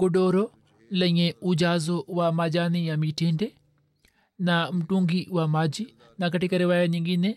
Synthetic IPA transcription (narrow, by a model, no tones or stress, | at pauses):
ɡ̥oɖoɾɔ | lɛɲeud͡ʒazowamad͡ʒanijamiteɳɖɛ | nam̩ʈuŋɡiwamad͡ʒi | nakaʈikaɾɛwajaɲiŋɡinɛ